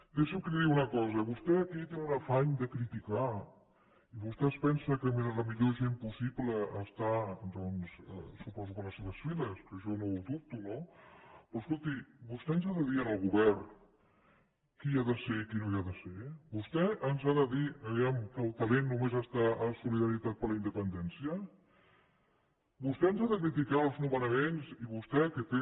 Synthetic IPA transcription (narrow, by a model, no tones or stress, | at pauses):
d̪eʃəmkəliðiunəkɔzəβust̪ɛəkit̪enunəfaɲd̪əkɾit̪ika | iβust̪ɛspɛnsəkəmenləmiʎoʒempusipləːst̪ad̪ɔnsə̰supɔzukənləseβəsfiləskəʒɔnouðup̚t̪unopɾoskulˠt̪ibust̪ɛənzaðəðiənəlˠɣuβɛr | kiaðəseikinoiaðəsebust̪ɛənzaðəðiəβiamkəlˠt̪əlenːumezəst̪aʔəsuliðəɾit̪at̪̚pəɾləind̪əpənd̪ɛnsiə | bust̪ɛənzaðəkɾit̪̬ikaəlˠznuβənəmenziβust̪ɛkət̪e